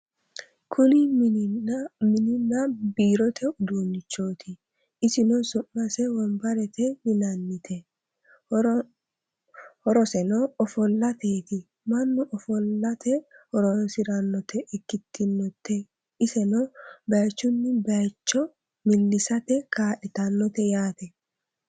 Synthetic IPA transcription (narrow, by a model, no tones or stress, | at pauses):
kʰʊnɪ | mɪnɪnːɐbiːɾɔt̪ʰɛʊd̪uːnːɪt͡ʃːo̞ːt̪ʰɪ | ɪsɪnɔsʊʔːɐsɛwɔmbɐɾɛt̪ɛmɪnɐnːɪt̪ʰɛ | hɔɾɔsɛnɔɔfɔlːɐt̪eːt̪ɪ | mɐnːʊʔɔfɔlːɐt̪ɛhɔɾɔnsɪɾɐnːɔt̪ʰɛʔɛkːɪt̪ʰːɪnːɔt̪ʰːɛ | ɪsɛnɔbɐjt͡ʃːʊnːɪbɐjt͡ʃːɔ | mɪlːɪsɐt̪ɛkaːʔɪt̪ɐnːɔt̪ɛjaːt̪ɛ